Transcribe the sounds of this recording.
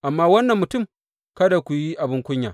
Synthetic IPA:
ʔa˨mːaː˦wɐ˦nːɐ˨mːʊ˨tʊ˦˨m | kɐ˦da˨kʷu˨ji˦ʔa˨bɪ˦ŋkʷʊ˦ɲja̰ː˨

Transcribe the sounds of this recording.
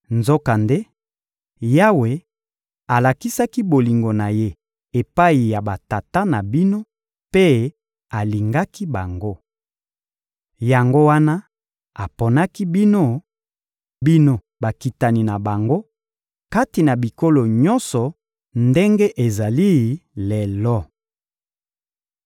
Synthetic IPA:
nzo˦ka˨nde˦ | ja˦we˨ | a˨la˨ki˦sa˦ki˦bo˨li˨ŋɡo˨na˨je˦ | e˨pa˦i˨ja˨ba˨ta˨ta˦na˨bi˦no˦ | pe˦ | a˨li˨ŋɡa˦ki˦ba˨ŋɡo˦ | ja˨ŋɡo˦wa˦na˦ | a˨po˨na˦ki˦bi˦no˦ | bi˦no˦ | ba˨ki˨ta˨ni˨na˨ba˨ŋɡo˦ | ka˦ti˨na˨bi˨ko˦lo˨ɲɔ˦nsɔ˨ | nde˦ŋɡe˦ʔe˨za˨li˦˨le˨lɔ˦

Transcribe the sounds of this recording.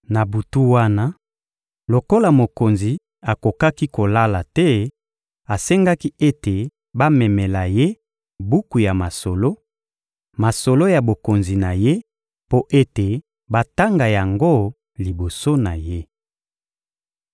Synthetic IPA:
na˨bu˨tu˦wa˦na˦ | lo˨ko˦la˨mo˨ko˨nzi˨ | a˨ko˨ka˦ki˦ko˨la˦la˨tɛ˦ | a˨se˦ŋɡa˦ki˦e˦te˨ | ba˦mɛ˨mɛ˨la˨je˦ | bu˦ku˨ja˨ma˨so˨lo˦ | ma˨so˨lo˦ja˨bo˨ko˨nzi˨na˨je˦ | po˦ʔe˦te˨ | ba˦ta˦ŋɡa˨ja˨ŋɡo˦ | li˨bo˨so˦na˨je˦

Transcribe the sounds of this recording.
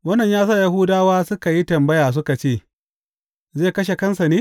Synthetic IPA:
wɐ˦nːɐ˨ɲjaː˦sa˦˨ja˦ɦu˦daː˦waː˦sʊ˦ka˨ji˦tɐ˨mbɐ˦jaː˨s̬ʊ˦ka˨t͡ʃeː˦˨ | zeː˦˨kɐ˦ʃ̬e˨kɐ˦nsa˨neː˦

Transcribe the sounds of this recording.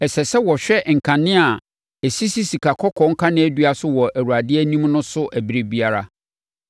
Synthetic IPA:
ɛ˨sɛ˨sɛ˦wɔ˨ɕᶣɛ˦˨ŋ̩˨kʰã˨nɪ̃˦a˨ | æ˨si˦si˦si˨kʰa˨kʰɔ˦kʰɔ̃˦ŋ̩˦kʰã˦nɪ̃˦æ˦du˦a˦sʊ˦wɔ˨ʔæ˨ɾu˨a˨dɪ˦ɛ˦nĩ˦mnʊ̃˦sʊ˦ʔæ˨bi˦ɾe˦bi˦a˦ɾa˦

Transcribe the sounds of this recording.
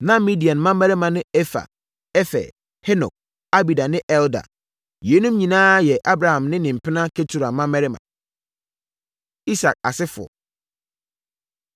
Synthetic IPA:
nã˦mi˦di˨a˨n˨mã˦mɛ˦ɾɪ˦mã˨nɪ̃˦ɛ˦fa̰˨ | ɛ˦fɛ̰˨ | hɛ˦nɔ̰˨k̚ | a˦bi˨da˨nɪ̃˦ʔɛ˦lda̰˨ | je˨˦nũ˦mɲĩ˨nãː˦jɛ˨ʔa˦bɾa˨hã˨mnɪ̃˦nɪ̃˨m̩˨pʰɪ˦nã˦kʰe˦tʰu˨ɾa˨mã˦mɛ˦ɾɪ˦mã̰˨ | i˦sa̰˨k̚a̰˨sɪ˦fʊ˨ɔ̰˨

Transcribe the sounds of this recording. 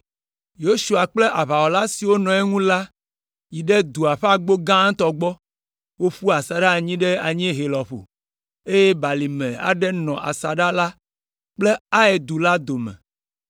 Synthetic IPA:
jo˦su˨a˨k͡ple˦ʔa˨βa˨wɔ˨la˦si˨wo˦nɔ̃˨ɛ˦ŋũ˦la˦ | ji˨ɖe˦d̪u˨a˨ɸe˦a˦ɡ͡bo˦ɡã˦t̪ɔ˨ɡ͡bɔ˦ | wo˦ɸu˦a˨sa˨ɖa˦˨ɲĩ˦ɖɛ˦a˨ɲĩ˦ɦe˨lɔ˨ɸo̰˨ | e˦je˦ba˨li˨mɛ̰̃˨a̰˨ɖɛ˦nɔ̃˨ʔa̰˨sa˨ɖa˦la˦ | k͡ple˦a˦e˨d̪u˨la˦d̪o˨mɛ̰̃˨

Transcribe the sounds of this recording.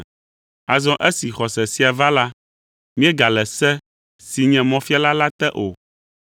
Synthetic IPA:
a˨zɔ̃˦ʔɛ˦si˨xɔ˨sɛ˨si˦a˨va˦la˦ | mĩ˦ɛ˦ɡa˨lɛ˨sɛ˦ | si˨ɲɛ̃˨mɔ̃˦fi˦a˦la˦la˦t̪ɛ˦ʔo˨

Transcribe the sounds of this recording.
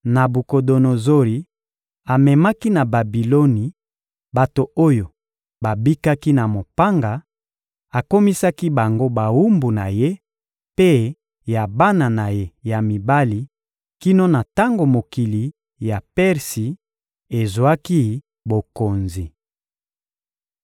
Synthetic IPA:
na˨bu˨ko˨do˨no˨zo˦li˨ | a˨mɛ˨ma˦ki˦na˨ba˨bi˨lo˦ni˨ | ba˨to˨o˦jo˨ | ba˨bi˦ka˦ki˦na˨mo˨pa˦ŋɡa˨ | a˨ko˦mi˦sa˦ki˦ba˨ŋɡo˦ba˨wu˦mbu˨na˨je˦ | pe˦ | ja˨ba˦na˨na˨je˦ja˨mi˨ba˦li˨ | ki˦no˦na˨ta˦ŋɡo˨mo˨ki˨li˨ | ja˨pɛ˦ʁsi˨ | e˨zwa˦ki˦ | bo˨ko˨nzi˨

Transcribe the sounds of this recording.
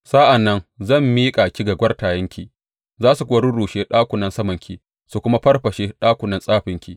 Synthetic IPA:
sa˦ʔa˨nːɐ˦nzɐ˦˨mːiː˦kʼa˨kʲi˦ɡa˨ɡʷɐ˦rtaː˨jɐ˦ŋkʲʰi˨ | zaː˦su˨kʷʼoː˦ɽʊ˦ɽuː˨ʃeː˦ɗaː˦kʷʊ˨nɐ˦nsɐ˦mɐ˨ŋkʲi˨ | su˨kʷʊ˦ma˦ɸɐ˦rɸɐ˨ʃe˦ɗaː˦kʷʊ˨nɐ˦nsʼaː˦ɸɪ˨ŋkʲḭ˦˨

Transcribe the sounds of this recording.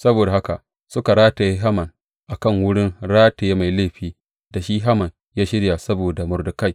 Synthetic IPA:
sɐ˦boː˨da˨ɦa˦ka˨ | sʊ˦ka˨ɾaː˦ta˨jɦa˦mɐ˨n | ʔa˨kɐ˦˨ŋwʊ˦ɽɪ˦nɽaː˦te˨jma˨jleː˦˨ɸiː˦ | da˨ʃiː˦ɦa˦mɐ˨n | jaː˦ʃɪ˦ɽja˨sɐ˦boː˨da˨mʊ˨rdʊ˦ka˦˨j

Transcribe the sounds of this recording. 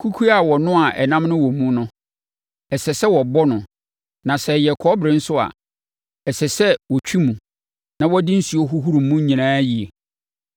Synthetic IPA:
kʰu˦kʰu˦a˨wɔ˨nʊ̃˦a˨ʔɛ˨nã˦mnʊ̃˦wɔ˨mũ˦nʊ̃˦ | ɛ˨sɛ˨sɛ˦wɔ˨bɔ˦nʊ̃˨ | nã˨sɛ˨jɛ˨kʰɔ˦bɾɪ̃˦n̩˦sʊ˦a̰˨ | ɛ˨sɛ˨sɛ˦wɔ˨t͡ɕᶣʰi˦mũ˨ | nã˨wɔ˦dɪ̃˦n̩˦si˨˦o˦ɦu˦ɦu˦ɾũ˨m˦mũ˦ɲĩ˨nãː˦ji˨e˨

